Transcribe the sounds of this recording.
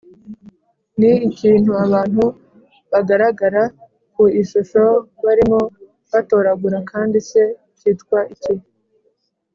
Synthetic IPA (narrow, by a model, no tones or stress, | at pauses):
niːciːn̥huaβaːn̥hu | βaɡaɾaɡaɾa | kuiʃuʃo̞βaɾimo̞ | βato̞ːɾaɡuɾakaːndise̞ | ciːtkwaʔiciu